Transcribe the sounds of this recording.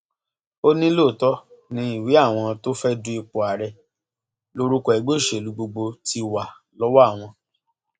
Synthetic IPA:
o˦nĩ˦lo˦˨tɔ˦nĩ˧˦i˨wi˨˦a˦˨w̃ɔ̃˧to˦fɛ˦du˦i˧k͡po˨a˨ɾɛ˧ | lo˦ɾu˦kɔ˧˦ɛ˨ɡ͡bo˦˨ʃe˨lu˨˦ɡ͡bo˧ɡ͡bo˧ti˧wa˨ | lɔ˦wa˦˨w̃ɔ̃˧

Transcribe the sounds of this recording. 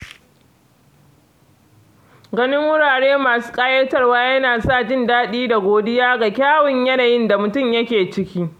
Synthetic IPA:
ɡɐ˦nɪ˦ŋwʊ˦ɽaː˨ɽeː˦maː˨su̥ː˦kʼaː˦jɛ˦tɐ˦˨rwaː˦jɐ˦naː˨saː˦˨d͡ʒɪ˦ndaː˦ɗiː˦da˨ɡʷoː˨dɪ˦jaː˦ɡa˨kʲaː˦wɪ˨ɲjɐ˦naː˨jɪ˦nda˨mʊ˨tʊ˦mjɐ˦kʲeː˨t͡ʃɪ˦kʲiː˦

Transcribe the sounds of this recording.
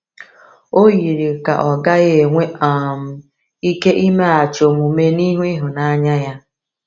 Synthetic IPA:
o˦ɣi˨ɾi˨ka̰˨ʔɔ˨ɡa˦ɣe˨ŋʷe˦a˨m̩˦ | i˦ke˦ʔi˦me˦a˨t͡ʃo˨mu˨me˦ni˦ɦu˦i˦ɦʊ˨na˦a˦ɲa˦ja˦

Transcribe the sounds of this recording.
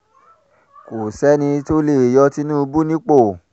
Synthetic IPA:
ko˨sɛ˦nĩ˧to˦le˦˨e˨jɔ˧˦ti˧˦nũː˦˧bu˦nĩ˦k͡po˦˨

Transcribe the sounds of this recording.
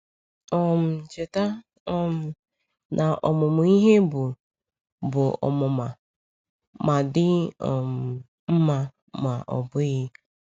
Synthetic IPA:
ɔ˨m̩˨t͡ʃe˨ta˦ | ɔ˦m̩˨ | nʔa˨ʔɔ˨mʊ˨mʊ˨i˦ɦe˦bʊ˨ | bʊ˨ɔ̰˨mʊ˨ma˨ | ma˨dɪ˦ɔ̰˨m̩˨ | m̩˦ma˨ | ma˨ʔɔ̰˨bʊ˦ɣɪ˦

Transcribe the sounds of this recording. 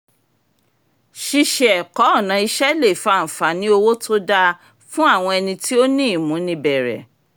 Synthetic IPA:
ʃi˧ʃɛ˨kɔ˨˦ɔ˦˨nã˨˧i˧ʃɛ˦le˦˨fã˨˦˨fa˨˦nĩ˦o˧wo˦to˦da˧ | fũ˦a˦˨w̃ɔ̃˧ɛ˧nĩ˧tʰi˦o˦nĩ˦i˨mũ˨˦nĩ˧bɛ˨ɾɛ̰˨

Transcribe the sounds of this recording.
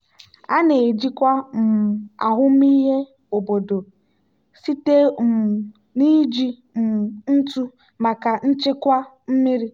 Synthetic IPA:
a˦ne˨d͡ʒi˦kʷa˦m̩˨a̰˨ɦʊ˦mi˦ɦe˦ | o˨bo˨do˨ | si˦te˦m̩˨ | ni˦d͡ʒi˦ | m̩˨n̩˦tu˦ | ma˨ka˨n̩˦t͡ʃɪ˦kʷa˦ | m̩˦mi˦ɾi˦

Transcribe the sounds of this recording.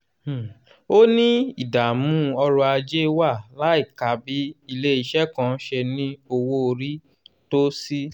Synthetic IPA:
o˦nĩ˦i˦˨da˨mũ˨˦ɔ˧ɾɔ˧a˧d͡ʒe˦wa˦˨la˨˦i˦˨ka˨˦bi˨˦i˧le˦i˧˨ʃɛ˦kã˧˦ʃe˧nĩ˦o˧wo˧o˧ɾi˦ | to˦si˦

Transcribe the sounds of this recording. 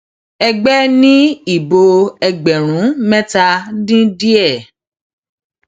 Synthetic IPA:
ɛ˧ɡ͡bɛ˦nĩ˦i˦˨bo˧ɛ˧ɡ͡bɛ˨ɾ̃ũ˨˦mɛ̃˦ta˧dĩ˦di˦ɛ˦˨

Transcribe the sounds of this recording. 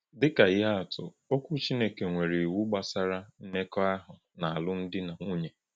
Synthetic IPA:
dɪ˦ka˨jɪ˦a˦a˨tʊ̰˨ | o˦kʷu˦t͡ʃi˦ne˦ke˨ŋʷe˨ɾi˨wu˦ɡ͡ba˦sa˦ɾa˦n̩˦ne˦kɔ˦a˦ɦʊ˨ | na˨a˨lʊ˦n̩˦dɪ˦na˨ŋu˦ɲe˨

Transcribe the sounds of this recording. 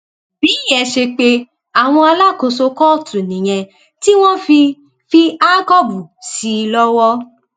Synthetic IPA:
b̥iː˨˦˨jɛ˨ʃe˧k͡pe˦ | a˨w̃ɔ̃˧a˧la˦˨ko˧so˧kɔ˦˨tũ˨nĩ˨j̃ɛ̃˧ | ti˦w̃ɔ̃˦f | fi˧a˦kɔ˦bu˨si˨˧lɔ˦wɔ˦

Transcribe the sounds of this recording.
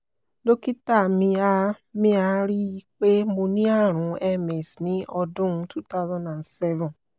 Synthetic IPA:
lo˦ki˦ta˦˨mĩ˧a˧ | mĩ˦a˧ɾi˦i˧k͡pe˦mo˧nĩ˦a˦˨ɾ̃ũ˨˦ɛ˧mɛ˨snĩ˨˦ʔɔ˧dũ˦tʰu˦ta˦zɔ̃˦nda˨nsɛ˦vɔ̃˨n

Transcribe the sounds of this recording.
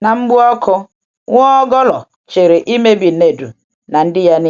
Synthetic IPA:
na˨mŋ͡m̩˦ɡ͡bʊ˦ɔ˦kʰʊ˦ | ŋʷɔ˦ɔ˦ɡɔ˦lɔ˨ | t͡ʃe˨ɾe˨ʔi˦me˦bi˨ne˨du˨ | na˨n̩˦dɪ˦ja˦nɪ˦

